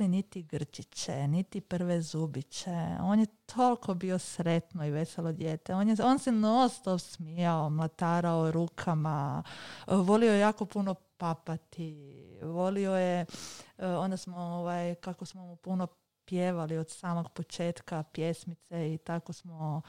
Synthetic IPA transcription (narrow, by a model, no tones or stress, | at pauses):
init̪iɡr̩t͡ʃit͡ɕe̞̰nit̪ipr̩ʋezubit͡ɕe̞o̞ːnjet̪ʰo̞lkʰo̞bio̞sɾet̪noiʋe̞selod̪je̞ːt̪eonjeo̞nsenost̪oʋsmijaomlat̪aːɾaoɾuːkʰama | ʋo̞liojjaːko̞puno̞papat̪iʋo̞lio̞je | o̞nd̪asmooʋajkakosmomupuno | pjeʋaliod̪̥saːmoɡpot͡ʃe̞ːt̪kapje̞smit̪seit̪ako̞smo